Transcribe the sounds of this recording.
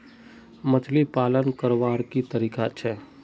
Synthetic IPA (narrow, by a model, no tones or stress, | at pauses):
mət͡ʃʰlipaːlənkəɾʋaːɾkit̪əɾiːkat͡ʃʰɛː